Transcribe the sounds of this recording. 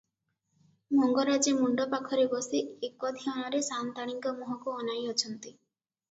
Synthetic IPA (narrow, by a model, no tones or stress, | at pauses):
mɔŋɡɔɾad͡ʒemuɳɖɔpakʰɔɾebɔsiekɔd̪ʱiɔɽ̃ɔɾesant̪aɽ̃iŋkɔmuɦɔkuɔnajɔt͡ʃʰɔnt̪i